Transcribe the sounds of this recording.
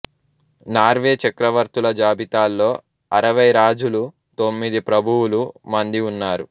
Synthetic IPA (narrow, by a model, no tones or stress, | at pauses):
naːɾʋeːt͡ʃɐkɾɐʋɐɾt̪ulɐd͡ʒaːbit̪aːlːoː | ɐɾɐʋɐjɾaːd͡ʒulu | t̪o̞mːid̪ipɾɐbʱuwulumɐnd̪iunːaːɾu